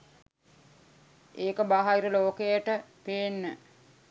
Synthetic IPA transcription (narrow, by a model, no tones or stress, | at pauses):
eːkəbaɦaiɾəloːkejəʈəpeːnːə